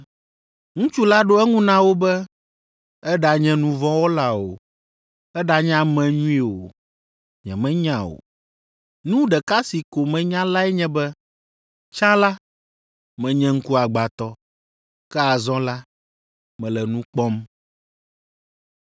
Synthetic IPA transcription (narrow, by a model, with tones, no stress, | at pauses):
ŋũ˦t͡ʃu˦la˦ɖo˦ɛ˦ŋũ˦nã˦wo˦bɛ˦ | ɛ˦ɖa˨ɲɛ̃˦nũ˨vɔ̃˦wɔ˦la˦o˨ | ɛ˦ɖa˨ɲã˦mɛ̃˨ɲũ˦i˦wo˨ | ɲɛ̰̃˨mɛ̃˦ɲã˦˨o̰˨ | nũ˦ɖɛ˨ka˦si˨ko˨mɛ̃˦ɲã˦la˦ɛ˦ɲɛ̃˦bɛ˦ | t͡ʃã˦la˦ | mɛ̃˨ɲɛ̃˦ŋ̩˦ku˦a˨ɡ͡ba˨t̪ɔ˦ | kɛ˦a˨zɔ̃˦la˦ | mɛ̃˨lɛ˨nũ˦k͡pɔ˦m